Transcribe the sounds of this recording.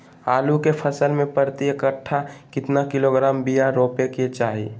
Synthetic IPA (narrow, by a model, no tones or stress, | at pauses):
aːlukepʰəsəlmẽpəɾt̪iəkəʈʰːakɪt̪nakɪloɡɾaːmbijaɾoːpeket͡ʃaːɦḭ